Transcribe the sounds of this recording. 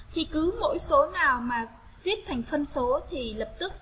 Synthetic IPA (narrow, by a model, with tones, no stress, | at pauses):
t̪ʰi˨˩kɨ˨˦mo̰˧˥jso˨˦naː˨˩wmaː˨˩ | vi˦˥ət̚t̪ʰa˨˩jŋ̟fə˧nso˨˦t̪ʰi˨˩lə˨˩p̚t̪ɨ˦˥k̚